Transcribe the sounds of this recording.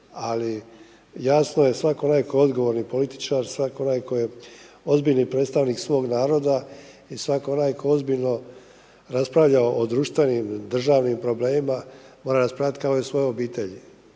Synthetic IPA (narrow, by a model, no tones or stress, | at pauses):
ali | jaːsnojesʋakoonajkoo̞d̪ɡo̞ʋo̞ɾnipo̞lit̪i̥t͡ʃaːɾsʋakoo̞najkoje | o̞zbiʎnipɾet̪st̪aʋniːksʋo̞ːɡnaːɾo̞d̪a | isʋakoonajkʰoozbiʎno̞ | ɾaspɾaʋʎaoʔod̪ɾuːʃt̪ʋe̞nimd̪r̩ʒaːʋnimpɾo̞ble̞ːmimamo̞ːɾaɾaspɾaʋʎat̪kaoisʋo̞jeobiːt̪eʎi